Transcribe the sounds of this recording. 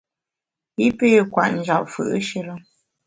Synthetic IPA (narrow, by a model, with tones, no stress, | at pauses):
i˦pe˦˨kwa̰˨ʔn˨d͡ʒa̰˨p̚fə̰˨ʔʃə˦lə˦